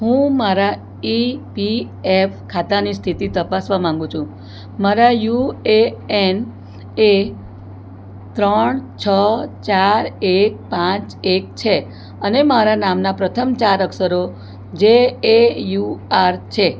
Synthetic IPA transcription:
ɦũmaɾa | ipi | efkʰat̪anist̪ʰit̪it̪əpasʋamãŋɡũt͡ʃʰũ | maɾajueen | e | t̪ɾəɳt͡ʃʰət͡ʃaɾek̚pãt͡ʃek̚t͡ʃʰe | ənemaɾanamnapɾət̪ʰəmt͡ʃaɾəksəɾo | d͡ʒeejuaɾt͡ʃʰe

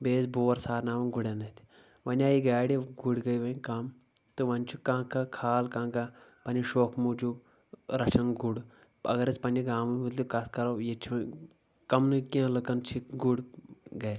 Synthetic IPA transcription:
beːsboːɾsaːɾnaːʋɐnɡuɽenɐt̪ʰʲi | ʋɐnʲaːjiɡaːɽiɡuɽɡɐjʋɐkam | t̪ɨʋɐnʲt͡ʃʰukãːkakʰaːlkãːɡapɐnʲiʃoːkmud͡ʒu | ɾɐt͡ʃʰɐnɡuɽ | ɐ̰ɡɐɾɐt͡sʲpɐnʲiɡãːmɨʋut̪lʲukɐskɐɾojet͡ʃʰiʋɐ | kɐmnɨkiãːlɨkɐnt͡ʃʰiɡuɽɡɐj

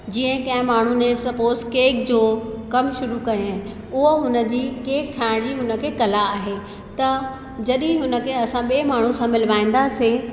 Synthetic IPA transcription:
d͡ʑiːə̃ɦkɐ̃ɦɪ̃maːɳ̤unẽsɐpoːstkeːk̚d͡ʑoːkɐmʃʊɾukɐẽ | ʊɦoɦʊnə̆d͡ʑiːkeːk̚ʈʰaːɪɽ̃d͡ʑiːɦʊnə̆kʰeːkɐlaːɦe | t̪ɐ | d͡ʑɐɗĩɦʊnə̆kʰeɐsãɓeːmaːɳ̤usãmɪlʋaːĩːnd̪ase

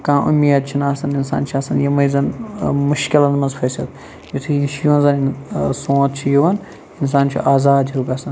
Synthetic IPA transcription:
kãːʔṵmːijɐt̪̚t͡ʃʰinaːsɐninsa̰ːnt͡ʃʰiɐsɐnjɐmɐjzɐnmʊʃkɪlɐnmɐnzfʰɐːsɐt̪ | jit̪ʰujiʃʰijɐnzɐnsõːt̪̚t͡ʃʰijiʋɐn | ɪnsaːnt͡ʃʰḭʔaːzaːd̪ibɐsɐn

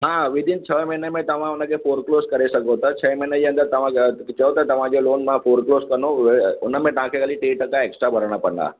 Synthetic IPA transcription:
ɦãʋid̪ʱint͡ɕʰəmənemẽt̪ɐʋ̤ãunːəkefoːɾkloskəɾesəkot̪ət͡ɕʰəjməɦnəd͡ʑiənt̪əɾt̪ɐʋ̤ãt͡ɕəʋt̪ət̪ɐʋ̤ãd͡ʑoloːnmãfoɾkloːskəɾnoʋʊnːəmẽʈ̪ãkʰeɡəliʈeːʈəkaeksʈɾabʱəɾəɳ̃apəɳa̰

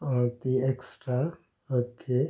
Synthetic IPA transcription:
ɔt̪ieksʈɾa | əkʰe

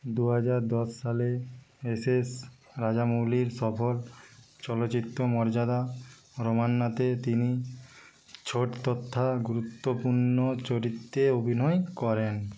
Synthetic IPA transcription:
d̪uɦad͡ʑaɾd̪ɔsːaleeses | ɾad͡ʑamoliɾsɔfol | t͡ɕɔlot͡ɕit̪ːomɔɾd͡ʑad̪a | ɾomanːat̪et̪ini | t͡ɕʰoʈt̪ɔt̪ʰːaɡuɾut̪ːopuɾnot͡ɕoɾit̪ːeobʱinɔjkɔɾen

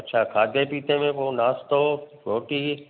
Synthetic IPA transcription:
ɐtːʃʰaːkʰaːd̪ʱepiːt̪emẽpoːnaːst̪oɾoːʈi

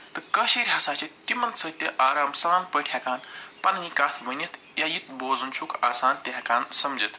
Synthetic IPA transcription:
t̪ɨkɐʃiːɾʲɦɐsaːt͡ʃit̪ːimɐnsɐt̪ʲːeʔaːɾaːmsɐɾaːnpəʈʲʰjakaːnpɐnɐnikaːt̪ʰbɐnʲɐt̪ʰ | jajit̪̚boːzunt͡ʃʰukaːsaːnt̪ʲɐɦɐkaːnsɐmd͡ʒɐt̪ʰ

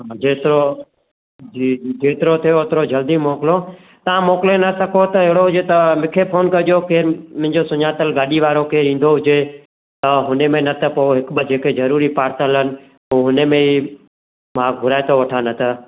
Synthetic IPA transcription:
ɦad͡ʑeːt̪ɪɾo | iːd͡ʒeːt̪ɪɾot̪ʰijoɦɪt̪ɾod͡ʑɐld̪imɔːkɪlo | t̪ɐʋãmoːkɪlenɐsɐkʰot̪ɐɪɦɪɽoɦʊd͡ʑet̪ɐmɪkʰepʰoːnkɐʄokeːɾmɪ̃ɦɪ̃ɲd͡ʑosʊɲaːt̪əlɡaːɗiʋaːɾokeːɾĩːnd̪oɦʊd͡ʑe | t̪ɐɦʊnemẽnɐt̪ʰəpoɦɪkɓəd͡ʑeːkezɐɾuːɾipaːɾt̪əlɦənɪ̆ | uːɦʊnemẽi | mãːɡʱʊɾaːɪt̪oʋɐʈʰanɐt̪ʰə

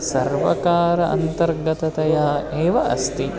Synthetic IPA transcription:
sɐɾʋɐkaːɾɐʔɐ̰nt̪ɐɾɡɐt̪ɐt̪ɐjaːeːʋɐʔɐ̰st̪i

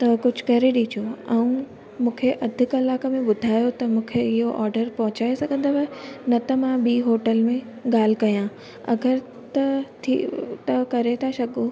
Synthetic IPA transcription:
t̪ɐkʊd͡ʑʱʊ̥̆kɐɾeɗiːt͡ɕʰoɛũ | mũːkʰeʔɐd̪ʱɪkɐlaːkəmẽbʊd̪ʱaːjot̪ɐmũːkʰeɪɦoʔaːɾɖəɾpɐɦʊ̃t͡ɕaːesɐɡʱə̃nd̪aʋɐnɐt̪ɐmãɓiːɦoːʈəlmẽ | ɠaːl̤ɪkɐjã | ɐ̰ɡəɾ | t̪ɐt̪ʰḭt̪ɐkɐɾet̪ʰaʃɐɡo

